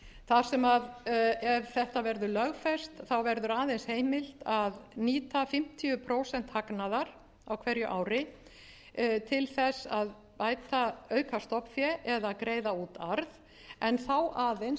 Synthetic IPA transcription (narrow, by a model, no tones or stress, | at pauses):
θaɾ̥sɛmaðɛvθɛht̪avɛɾðʏlœɣfɛst̪θawvɛɾðʏɾaːðensheːjmɪl̥t̪aðniːt̪afɪm̥t̪ʰiʏpʰɾoːwsɛn̥t̪haknaðaɾ̥ | awkʰvɛɾjʏʔa̰ːwɾɪ | t̪ʰɪlθɛsað | paːjt̪aœːɥkʰast̪ɔpfjɛʔɛðakɾeːjðauːt̪a̰ɾð | ɛnθawʔaːðejns